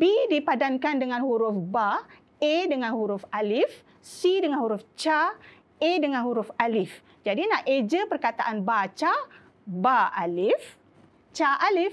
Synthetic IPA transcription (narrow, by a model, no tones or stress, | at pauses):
bidipadankandəŋãnhuɾʊfba | edəŋanhuɾʊfalɪf | sidəŋanhuɾuft͡ʃa | edəŋãnhuɾufalɪf | d͡ʒadinaʔed͡ʒəpərkat̪aʔanbat͡ʃa | baalɪf | t͡ʃaʔalɪf